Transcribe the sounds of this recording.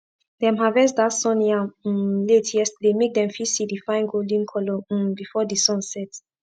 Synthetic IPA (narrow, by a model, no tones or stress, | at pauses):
dɛ̃mɦavɛsdatsɔ̃njãletʰɛstdemek̚dɛ̃mfisidifãɪ̃nɡolĩŋkʰɔlɔbifɔdisɔ̃nsɛt